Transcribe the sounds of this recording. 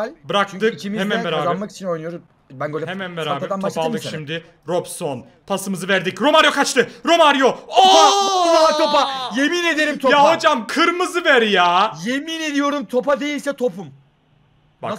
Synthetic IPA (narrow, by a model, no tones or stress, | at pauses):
bɯɾak̚t̪ɯkimhemænvɛɾaːamaki̥t͡ʃʰinojnɯjoɾum | bænɡølʲɛhemænveɾaaːeɛɾd̪anopalˠd̪ɯkʃʃimd̪ɪ | ɾopson | pʰasɯmɯzɯvæɾd̪icɾo̞maɾjo̞kʰat͡ʃt̪ɯɾo̞maɾjo̞o | t̪ʰopajemine̞d̪eɾimʰjaɦo̞d͡ʒamkʰɯɾmɯzɯvæɾjaːjemine̞d̪ijo̞ɾumt̪ʰo̞pad̪e̞jilʲsɛt̪ʰo̞pum | ba̰